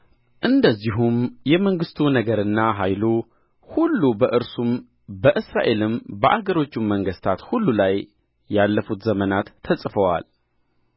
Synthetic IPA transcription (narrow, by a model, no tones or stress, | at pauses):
ʔɨnd̪əzːiɦumjɛməŋɡɨst̪ʰunəɡəɾɨnːaɦajlu | hulːubəʔɨɾsum | bəʔɨsɾa̰ʔe̞lɨmbəʔaɡəɾo̞t͡ʃːumːəŋɡəst̪ʰat̪hulːulajː | alːəfut̪zəmənat̪ʰːəsʼfəwa̰l